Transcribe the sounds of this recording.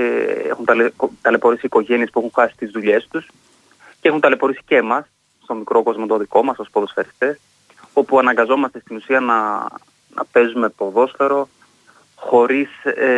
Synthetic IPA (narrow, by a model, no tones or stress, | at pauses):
ḛxunt̪ɐlt̪ɐle̞po̞ɾisiːko̞ʝe̞nie̞spuexuŋxɐsi̥t̪izðuʎe̞st̪us | ceexunt̪ɐle̞po̞ɾisi̥cemɐs | st̪o̞mikɾo̞ko̞zmot̪oðiko̞mɐsospoðo̞sfe̞ɾist̪e̞s | o̞puɐnɐŋɡɐzo̞mɐst̪e̞st̪inusiɐnɐ | nɐ̰pe̞zume̞po̞ðo̞sfe̞ɾo̞ | xo̞ɾise